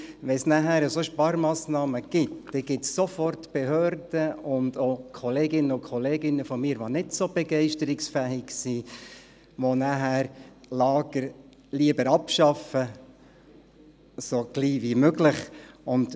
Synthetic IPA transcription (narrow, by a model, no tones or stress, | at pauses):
ʋɛsnæɦæːɾəsoʃpɑɾmɑːsnɑːməɡ̥ɪtd̥ɛɡ̥ɪtsːofɔrtb̥eɦøːrd̥əʊndokʰɔleːɡɪnːəʊkʰɔleːɡɪnːəfɔmɪːɾʋonɪdsob̥ɛɡɛɪʃtəɾɪksfæːɪɡsi | ʋonæɦæːɾ | lɑːɡ̥əɾ | liəbəɾɑpʃɑfə | soɡ̥liːʋimøɡlɪχʊnd̥